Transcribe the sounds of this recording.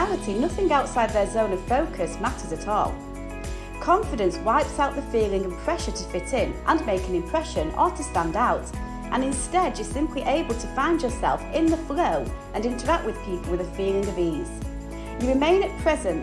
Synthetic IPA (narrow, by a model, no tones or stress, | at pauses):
alˠəɾʰinʌθɪ̃ŋaʊtsaɪd̪̚ðə˞zõʊ̃nʌv̥foʊkʰɨsmaɾə˞zɨɾɔ̰lˠ | kʰɑ̃ɱfɨɾɨ̃nswaɪpsaʊʔ̪̚ðəfilˠɪ̃ŋə̃v̥pʰɹ̥ɛʃə˞ɾʰəfɪɾɪ̃nʔə̃nmeɪkɨ̃nɨ̃mpʰɹ̥ɛʃɨ̃nətʰɨstæ̃ndaʊt | ʔə̃nɨ̃nstɛdjə˞sɪ̃mpʰliʔeɪbəlˠtʰəfãɪ̃nd͡ʒə˞sɛ̰lˠfɪ̃nðəfloʊʔɨ̃nɪ̃ntʰə˞ak̚t̚wɨð̥pʰipəlˠwɨðɨfilˠɪ̃ŋʌviz̥ | jɨɹɨmẽɪ̃nɨt̚pʰɹ̥ɛzɨ̃nt